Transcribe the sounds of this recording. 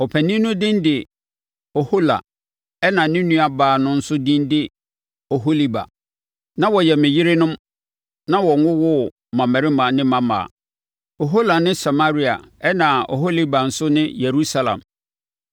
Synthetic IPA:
ɔ˨pʰæ˨nĩ˦nʊ̃˦dɪ̃˦ndɪ˨ | o˨ho˦la̰˨ | ɛ˦nã˨nɪ̃˦nũ˦a˨baː˨nʊ̃˦n̩˦sʊ˦dĩ˦ndɪ˦ | o˨ɦo˦li˦ba̰˨ | nã˦wɔ˨jɛ˨mɪ̃˨ji˦ɾɪ˦nʊ̃˦m | nã˦wɔ˨ŋʊ̃˦wʊ˦ | mã˨mɛ̃˨ɾɪ˦mã˨nɪ̃˦mã˨ma̰˨ | o˨ɦo˦la˨nɪ̃˦sa˨ma˦ɾi˦a̰˨ɛ˦nã˨o̰˨ɦo˦li˦ba˨n̩˨sʊ˦nɪ̃˦je˨ɾu˦sa˦lã̰˨m

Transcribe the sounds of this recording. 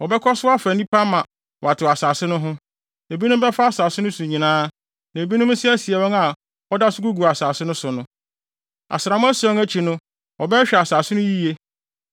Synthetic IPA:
ɔ˨bɛ˦kʰɔ˦sʊ˦a˦fæ˨nĩ˦pʰa˦mːã˨ | wa˨tʰɪ˨a˨saː˨sɪ˦nʊ̃˦ɦʊ̃˦ | e˨bi˦nʊ̃˦m˦bɛ˦fa˦a˨saː˨sɪ˦nʊ̃˦sũ˨ɲĩ˨nãː˦ | nã˨bi˦nʊ̃˦m˦sɪ˦æ˦si˨ɛ˨wɔ̃˦ŋa˨ | ɔ˦da˦sʊ˦ɡu˦ɡu˨a˨saː˨sɪ˦nʊ̃˦sʊ˨nʊ̃˦ | a̰˨sɪ˨ɾã˨mʊ̃˦æ˦sɔ̃˦ŋæ˦t͡ɕʰi˨nʊ̃˦ | ɔ˨bɛ˦ɕᶣɛ˨a˨saː˨sɪ˦nʊ̃˦ji˦e˦

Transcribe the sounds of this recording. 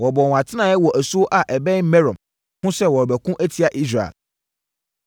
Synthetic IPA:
wɔ˨bɔ˨wɔ̃˨ã˨tʰɪ˦nã˨ɛ˦wɔ˨ʔæ˨su˦o˦ʔa˨ʔɛ˨bɛ̃˦mɛ̃˦ɾɔ̃˨m | hʊ̃˦sɛ˦wɔ˨ɾbæ˨kʰʊ̃˦ʔæ˦tʰi˦a˨ʔi˦s̬ɾa˨ḛ˨l

